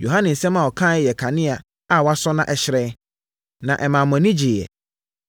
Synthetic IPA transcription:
jo˨ɦã˦nɪ̃˨n̩˨sɛ̃˦mã˨wɔ˨kʰã˦˨ɛ˦jɛ˨kʰa˨nɪ̃˦a˨ | a˦˨wɔ˦a˦sɔ˦nã̰˦ʔɛ˨ɕɪ˨ɾɛ˦ | nã˨ʔɛ˨mãː˨mɔ̃˨˦nĩ˦d͡ʑɪ˨jɛ̰˨

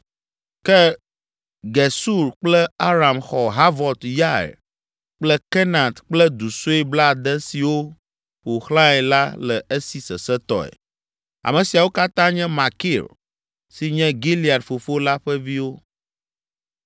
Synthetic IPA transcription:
kɛ˦ | ɡɛ˨su˦ɾk͡plɛ˦a˦ɾa˨mxɔ˨ɦa˦vɔ˨t̪ja̰˦˨ | k͡plɛ˦kɛ˦nã˨t̪k͡plɛ˦d̪u˨so˦ɛ˦bla˦˨d̪ɛ˦si˨wo˦ | ɸo˨xlã˦ɛ˨la˦lɛ˨e˦si˨sɛ˨sɛ˦t̪ɔ̰˨ɛ̰˨ | a̰˨mɛ̃˨si˨a˨wo˦ka˦t̪ã˦ɲɛ̃˦ma˨ki˦˨l | si˨ɲɛ̃˦ɡi˦li˨a˨dfo˨fo˦la˦ɸɛ˦vi˦wo˦

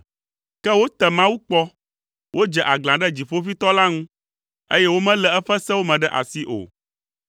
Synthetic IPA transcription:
kɛ˦wo˦t̪ɛ˨mã˦wu˦k͡pɔ˦ | wʔo˦d͡ʒɛ˨ʔa˨ɡlã˨ɖɛ˦d͡ʑi˨ɸo˦fi˦t̪ɔ˦la˦ŋũ˦ | e˦jɛ˦wo˦mɛ̃˦lɛ˨ɛ˦ɸɛ˦sɛ˦wo˦mɛ̃˨ɖɛ˦ʔa̰˨si˦ʔo̰˨

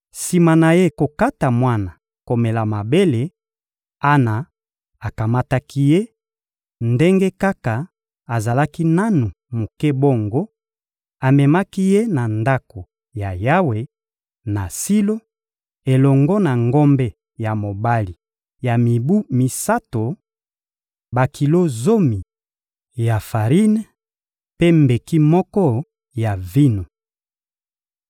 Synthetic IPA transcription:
si˨ma˨na˨je˦ko˨ka˦ta˨mwa˦na˨ | ko˨me˨la˨ma˨be˦le˨ | a˦na˨ | a˨ka˨ma˦ta˦ki˦je˦ | nde˦ŋɡe˦ka˦ka˨ | a˨za˨la˦ki˦na˦nu˨ | mo˨kɛ˦bo˦˨ŋɡo˦ | a˨mɛ˨ma˦ki˦je˦na˨nda˦ko˨ | ja˨ja˦we˨ | na˨si˦lo˦ | e˨lɔ˨ŋɡɔ˦na˨ŋɡo˦mbe˦ | ja˨mo˨ba˦li˨ | ja˨mi˨bu˦mi˨sa˦to˨ | ba˨kʰi˨lo˦zo˦mi˨ | ja˨fa˨ʁi˦n˦ | pe˦mbe˨ki˦mɔ˦kɔ˦ | ja˨vi˦no˨

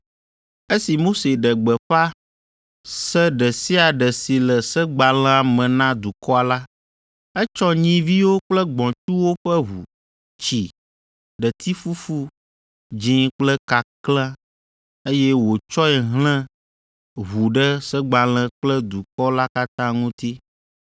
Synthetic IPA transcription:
e˦si˨mo˦se˨ɖə˨ɡ͡bə˨ɸa˦ | sə˦ɖə˨si˦a˨ɖə˨si˨lə˨sə˦ɡ͡ba˨lɛ̃˦a˨mɛ̃˨nã˦d̪u˨kɔ˦a˨la˦ | ɛ˦t͡ʃɔ˦ɲĩ˦vi˦wo˦k͡plə˦ɡ͡bɔ̃˨t͡ʃu˦wo˦ɸɛ˦ɦu˨ | t͡ʃi˨ | ɖə˨t̪ʰi˦fu˦fu˦ | d͡ʒĩ˦k͡plə˦ka˨klɛ̃˦ | e˦jɛ˦wo˨t͡ʃɔ˦ɛ˨ɦl̃ɛ̃˦ | ɦu˨ɖə˦sə˦ɡ͡ba˨l̃ɛ̃˦k͡plə˦d̪u˨kɔ˦la˦ka˦t̪ã˦ŋũ˦t̪i˦

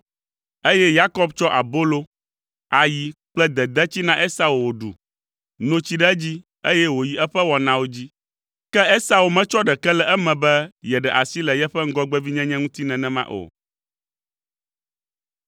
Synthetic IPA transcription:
e˦jɛ˦ja˦kɔ˦bt͡ʃɔ˦ʔa̰˨bo˦lo˦ | a˨ji˨k͡plɛ˦d̪ɛ˨d̪ɛ˦t͡ɕi˦nã˦ʔe˦sa˦wo˨wo˨ɖṵ˨ | nõ˦t͡ɕi˦ɖɛ˦d͡ʑi˦ | e˦jɛ˦wo˨ji˨ɛ˦ɸɛ˦wɔ˨nã˦wo˦d͡ʑi˦ | kɛ˦e˦sa˨wo˨mɛ̃˦t͡ʃɔ˦ɖɛ˨kɛ˦lɛ˨ʔɛ˦mɛ̃˨bɛ˦jɛ˨ɖɛ˨ʔa˨si˦lɛ˨jɛ˦ɸɛ˦ŋ̩˦ɡɔ˦ɡ͡bɛ˦vi˦ɲɛ̃˦ɲɛ̃˦ŋũ˦t̪i˦nɛ̃˨nɛ̃˦mã̰˦ʔo̰˨

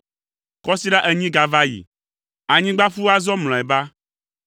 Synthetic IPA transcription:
kɔ˦si˦ɖa˦ʔɛ˨ɲĩ˦ɡa˨va˦jḭ˨ | a˨ɲĩ˦ɡ͡ba˦fu˦a˦zɔ˦ml̃ɔ̃˨ɛ˨ba˦

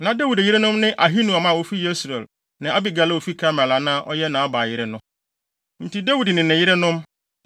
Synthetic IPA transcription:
nã˨da˦wi˨djɪ˦ɾɪ˦nʊ̃˦mnɪ̃˦ʔa˨ɦi˦nũ˨a˨mã˦˨wo˦fi˦je˦sɾe˨l | nã˨ʔa˦bɪ˨ɡa˨la˦˨o˨fi˦kʰa˦mɛ̃˨la˨nã˦ʔɔ˦jɛ˦nã˨a˦ba˨jɪ˦ɾɪ˦nʊ̃˦ | n̩˨ti˨da˦wi˨dnɪ̃˨nɪ̃˨jɪ˦ɾɪ˦nʊ̃˦m

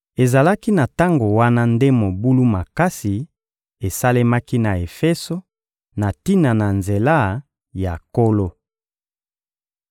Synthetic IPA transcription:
e˨za˨la˦ki˦na˨ta˦ŋɡo˨wa˦na˦nde˦mo˨bu˦lu˦ma˨ka˦si˨ | e˨sa˦le˦ma˦ki˦na˨e˨fɛ˦so˦ | na˨ti˦na˨na˨nze˨la˦ | ja˨ko˦lo˦

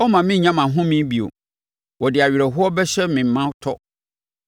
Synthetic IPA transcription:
ɔ˦mã˨mɪ̃˦ɲã˦mã˨ɦʊ̃˦mĩ˦bi˨o̰˨ | wɔ˨dɪ˨a˨ɥɾɛ˨ɦʊ˦ɔ˦bɛ˦ɕɛ˦mɪ̃˨mːã˦tʰɔ˦

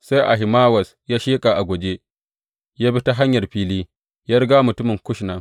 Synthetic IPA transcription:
sa˦jʔa̰˨ɦɪ˨maː˦wɐ˨s | jaː˦ʃeː˦kʼa˨ʔa˨ɡʷo˨d͡ʒe˦ | jaː˦bi˦ta˦ɦa˦ɲjɐ˨rɸiː˦liː˦ | ja˦ɾɡaː˦mʊ˨tʊ˦mɪ˨ŋkʷʊ˦ʃnaː˨

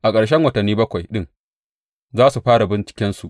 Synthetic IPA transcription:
ʔa˨kʼɐ˨ɽʃɛ˦ŋwɐ˨tɐ˨nːiː˦bɐ˦kʷa˨jɗɪ˦ŋ | zaː˦su˨ɸaː˦ɽa˨bɪ˦nt͡ʃɪ̥˦kʲɪ˦nsu˨ʔ

